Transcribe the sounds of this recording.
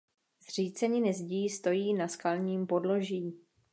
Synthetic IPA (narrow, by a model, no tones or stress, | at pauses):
zr̝iːt͡sɛɲɪnɪzɟiːst̪o̞jiːnaskalɲiːmpo̞dlo̞ʒiː